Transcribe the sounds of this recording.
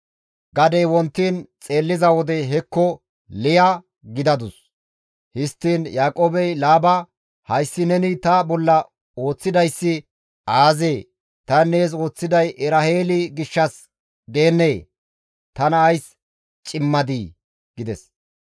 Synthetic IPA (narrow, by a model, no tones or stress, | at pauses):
ɡɐd̪ejwɔnt̪ːiːnt͡sʼe̞ːlːɪzɐwɔd̪ɛɦɛkːɔ | lɪjɐ | ɡɪd̪ɐd̪ʊs | hɪst̪ːiːnjaːkʼoːbɛjlaːbɐ | hɐjsːɪnɛnɪt̪ɐbɔlːɐ | o̞ːt͡sːɪd̪ɐjsːɪ | aːzeː | t̪ɐnːe̞ːs̬o̞ːt͡sːɪd̪ɐjʔɛɾɐheːlɪɡɪʃːɐs | d̪e̞ːnːeː | t̪ɐnɐːjs | t͡ʃʼɪmːɐd̪iː | ɡ̥ɪd̪ɛs